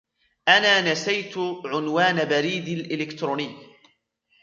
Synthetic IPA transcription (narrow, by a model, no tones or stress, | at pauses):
ʔanaːnasajt̪ʕʊnwaːnabaɾiːd̪alʔɪlɪkt̪ɾuːnɪjː